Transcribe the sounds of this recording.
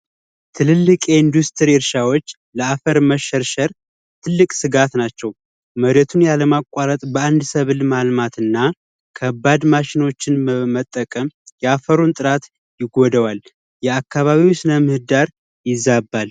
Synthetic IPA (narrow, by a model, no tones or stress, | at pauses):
t̪ʰɨlɨlːɨkʼeind̪ust̪ʰəɾiɨɾʃawot͡ʃː | ləafəɾməʃəɾʃəɾ | t̪ʰɨlːɨkʼsɨɡat̪nat͡ʃːɛw | məɾet̪ʰunjaləmakʼːaɾət̪ʼbəand̪səβɨlmalmat̪ʰɨnːa | kʰəbːad̪maʃɪno̞t͡ʃːɪnmət̪ʼːəkʼəmjɛafəɾunt̪ʼɨɾat̪ | jɪɡɔd̪əwal | jɛakːaβaβiwsɨnəmɨhɨd̪aɾ | jɪzːabːal